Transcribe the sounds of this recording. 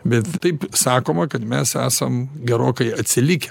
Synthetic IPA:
bʲɛt̪t̪ɐɪpsɑːkoːmɐkɐt̪mʲɛsæ̰ːsɐmɡʲɛɾoːkɐɪɐt̪ʲsʲɪlʲɪkʲɛ

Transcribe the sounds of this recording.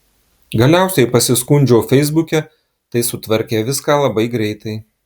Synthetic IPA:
ɡɐlʲæˑʊsʲɛɪpɐsʲɪskʊnʲd͡ʒʲoːfʲɛɪzbʊkʲɛ | t̪ɐɪsʊt̪ʋɐɾʲkʲeːʋʲɪskɑːlˠɐbɐɪɡɾʲɛɪt̪ɐɪ

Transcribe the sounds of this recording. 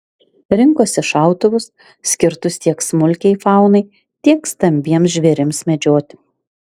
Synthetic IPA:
ɾʲɪŋkoːsʲɪʃɑˑʊt̪ʊʋʊs | sʲkʲɪɾt̪ʊst̪ʲiɛksmʊlʲkʲɛɪfɑˑʊnɐɪ | t̪ʲiɛkst̪ɐmʲbʲiɛmsʒʲʋʲɛɾʲɪmsmʲɛd͡ʒʲoːt̪ʲɪ

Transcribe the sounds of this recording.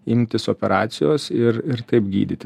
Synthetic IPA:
ɪmʲt̪ʲɪsoːpʲɛɾʔɑːt̪sʲɪjoːsɪɾɪɾt̪ɐɪpɡʲḭːd̪ʲɪt̪ʲɪ

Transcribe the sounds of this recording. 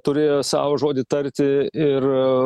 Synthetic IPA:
t̪ʊɾʲeːjoːsɑ̰ːʋoːʒoːd̪ʲɪt̪ɐɾʲt̪ʲɪɪr

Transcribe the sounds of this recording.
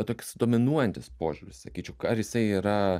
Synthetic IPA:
t̪oːkʲʊ̥sd̪oːmʲɪnuɔjɛnʲt̪ʲɪspoːʒʲʊɾʲɪ̰ssɐkʲiːt͡ʃʲɛʊkɐɾjɪsɐɪiːɾɐ

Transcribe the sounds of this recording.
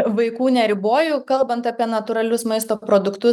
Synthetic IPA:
ʋɐɪkuːnʲɛɾʲɪboːjʊkɐlˠbɐnt̪ɑpʲiɛnɐt̪ʊɾɐlʲʊsmɐɪst̪oːpɾoːd̪ʊkt̪ʊ

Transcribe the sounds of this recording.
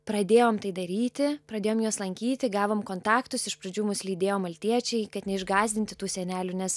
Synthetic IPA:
pɾɐd̪ʲeːjoːmt̪ɐɪd̪ɐɾʲiːt̪ʲɪpɾɐd̪ʲeːjoːmjoːslˠɐŋʲkʲiːt̪ʲɪɡɑːʋoːmkoːnt̪ɑːkt̪ʊsɪʃpɾɐd͡ʒʲuːmʊslʲiːd̪ʲeːjoːmɐlʲt̪ʲiɛt͡ʃʲɛɪkɐt̪nʲɛɪʒɡɑːzʲd̪ʲɪnʲt̪ʲɪt̪uːsʲɛnʲæːlʲʊnʲɛs

